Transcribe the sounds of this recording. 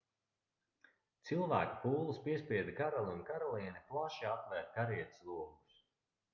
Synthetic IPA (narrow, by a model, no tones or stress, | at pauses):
t̪silˠvæ̰ːku̥puːlˠispiɛspʲiɛd̪kaɾalˠunkaɾɔlˠiːniplˠaʃiat̪vɛɾt̪̚kaɾiɛt̪sluɔmus